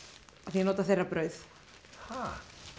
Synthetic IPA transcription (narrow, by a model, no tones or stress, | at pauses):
aθiɛnɔːt̪aθerːapɾœɥθ | ha